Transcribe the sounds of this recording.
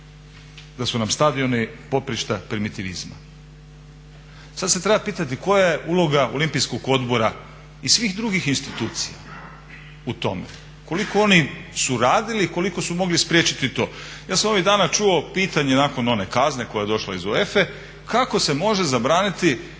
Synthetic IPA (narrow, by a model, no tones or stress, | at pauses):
d̪asunamst̪ad̪io̞nipo̞pɾiʃt̪apɾimit̪iʋizma̰ | sad̪se̞t̪ɾe̞bapiːt̪at̪iko̞jaje̞ʔulo̞ɡaʔo̞limpijskoɡo̞d̪bo̞ɾa | isʋiːxd̪ɾuɡixinst̪it̪uːt̪sija̰ | ut̪o̞̰mḛ | ko̞liko̞o̞nisuɾaːd̪iliko̞liko̞sumo̞ɡlispɾjeːt͡ʃit̪it̪o̞̰ːjaːsamo̞ʋiɣd̪aːnat͡ʃuo̞piːt̪aɲe̞naːko̞no̞ne̞kazne̞ko̞jajed̪o̞ʃlˠa̰izoefe̞ | kʰako̞se̞mo̞ʒe̞zabɾaːnit̪i